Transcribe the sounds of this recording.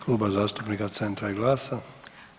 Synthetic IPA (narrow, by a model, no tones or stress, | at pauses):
kluːbazaːst̪upnikat̪sent̪ɾaiɡlˠaːsa